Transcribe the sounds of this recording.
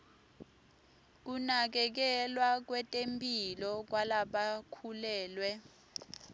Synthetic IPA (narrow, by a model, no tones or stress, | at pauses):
k̬unak̬ɛk̬ɛlwak̬wɛtʼempʼilɔk̬walaɓakʰulɛːlwɛ